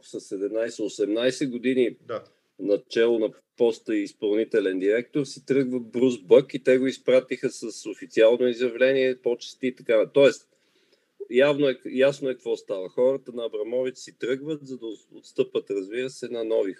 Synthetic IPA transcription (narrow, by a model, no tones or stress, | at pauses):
səsɛd̪ɛmnajsɛosɛmnajsɛɡod̪ini | nɐt͡ʃɛlˠonɐ | pɔst̪əiːspɐlˠnit̪ɛlɛnd̪iɾɛk̚t̪oɾsit̪ɾɤɡvəbɾuzbɤkit̪ɛɡoispɾat̪ixəsəsofit̪sialˠnoizjɐvlɛniɛpot͡ʃɛ̥st̪iːt̪ɐkant̪ɔɛst̪ | javnoɛjasnoɛkəkvɔst̪avəxɔɾət̪ənɐːbɾɐmɔvit̪ɛ̥sit̪ɾɤɡvət̪zɐd̪ɐot̪st̪ɤpət̪ɾɐzbiɾəsɛnɐnɔvi